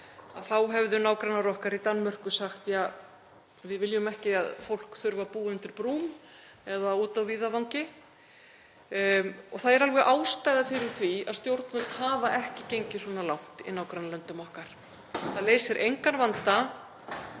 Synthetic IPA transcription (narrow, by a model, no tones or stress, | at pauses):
aðθawɦɛvðʏnaːwkɾanːaɾɔhkaɾit̪anːmœr̥kʏsaxt̪ja | vɪðvɪljʏmɛhcɪaðfowl̥kθʏɾvapuːʏnt̪ɪɾpɾuːm | ɛðauːt̪awviːðavawŋcɪ | ɔθaðɛɾalvɛɣʔaːwst̪aːjðafɪɾɪɾ̥θviaðst̪jowɾt̪nmʏlk̪haːvaʔɛhcɪcejɲcɪsɔːnalawht̪ḭnawkɾanːalœnt̪ʏmɔhkaɾ̥ | θaðlejsɪɾʔejŋkanvant̪a